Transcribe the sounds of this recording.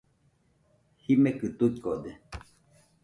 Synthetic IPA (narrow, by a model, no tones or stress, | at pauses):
himekɨt̪uikod̪e